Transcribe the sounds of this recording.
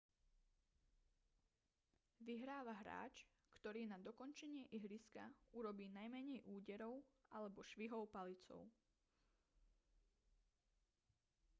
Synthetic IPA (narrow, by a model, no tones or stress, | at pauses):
ʋiɦɾaːʋaɦɾa̰ːt͡ʃ | kt̪ɔɾiːnad̪ɔkɔnt͡ʃɛɲɪɛʔiɦɾiskauɾɔbiːnajmɛɲɛjʔuːɟɛɾɔʊʔalɛbɔʃʋiɦɔʊpalit͡sɔ̰ʊ